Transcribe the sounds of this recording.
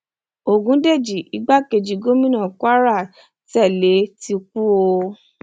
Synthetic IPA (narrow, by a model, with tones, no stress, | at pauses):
o˨ɡũ˨˦de˦˨d͡ʒi˨ʔi˨˧˦ɡ͡ba˦ke˧˨d͡ʒi˨˦ɡo˦mĩ˦nã˦˨kʷa˦ɾa˦˨ | tɛ˦˨le˨˦ti˧ku˦o˧